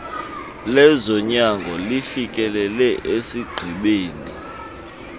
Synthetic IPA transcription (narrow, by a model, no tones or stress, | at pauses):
lɛzɔɲaŋɡʱɔlifikʼɛlɛlɛʔesiɡ͡ǃʱiɓeːni